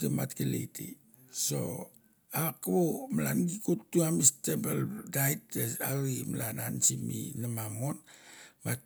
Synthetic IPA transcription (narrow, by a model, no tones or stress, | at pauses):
tima̰tkelḛtḭ | so̰ | akaβomalanɡikutːuamistebeldajtesaɾimalanansimḭnamamonmat̚